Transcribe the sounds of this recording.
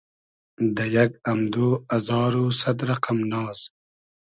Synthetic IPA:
d̪əjaɡɐmd̪oːazɑːɾusad̪ɾaqamnɑːz̥

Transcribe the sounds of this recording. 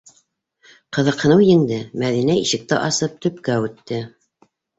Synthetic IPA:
qɤ̆ðɤ̆qhɤ̆nɤwjɘ̆ŋd̪ɘmæðinæiʃɘ̆k̚t̪ɘʔɑsɤp̚t̪ɵ̆pkæʉt̪ːɘ

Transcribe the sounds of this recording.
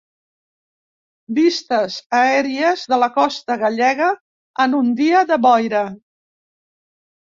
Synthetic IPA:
bist̪əzəɛɾiəzðələkɔst̪əɣəʎɛɣəː | nund̪iəðəβɔjɾə

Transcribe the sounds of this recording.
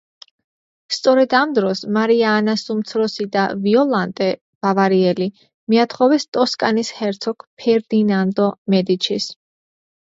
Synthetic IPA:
st̪sʼɔɾɛd̪amd̪ɾɔsmaɾiaːnasumt̪sʰɾɔsid̪aviɔlˠant̪ʼɛ | b̥avaɾiɛli | miat̪ʰχɔvɛst̪ʼɔskʼanishɛɾt̪sʰɔkʰpʰɛɾd̪inand̪ɔmɛd̪it͡ʃʰis

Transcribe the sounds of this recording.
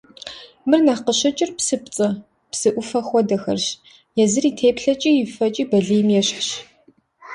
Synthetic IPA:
mɨrnaqəɕɐt͡ʃʼɪrpsɨp̚t͡sʼɨ | psɨʔʷʊfɐχʷɔdɐxɐrɕ | jɛzɨriːtʰeːpɬɐt͡ʃʼiːjɪfɐt͡ʃʼiːbɐɮɨjmjɛɕɕ

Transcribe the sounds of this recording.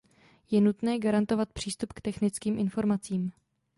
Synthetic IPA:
jɛnut̪nɛːɡaɾant̪o̞vat̪̚pr̝̥iːst̪upkt̪ɛxnɪt͡skiːmʔɪnfo̞ɾmat͡siːm

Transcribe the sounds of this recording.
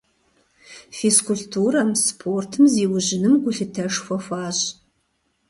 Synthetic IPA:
fiskʊɬtʰuːrɐmspʰoːrtʰɨmziːwʒʑɪnɨmɡʷʊɬɨtʰɐʂxʷɔxʷaːɕ

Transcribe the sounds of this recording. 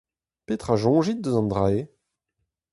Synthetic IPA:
pet̪χaʒɔ̃ːʒit̪̚d̪əzɑ̃nd̪ʁae

